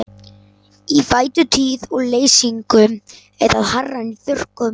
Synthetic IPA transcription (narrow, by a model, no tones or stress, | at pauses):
ivaːjt̪ʏt̪ʰyːðɔɣleːjsiŋkʏ | ɛðaðharːaniθʏr̥kʏ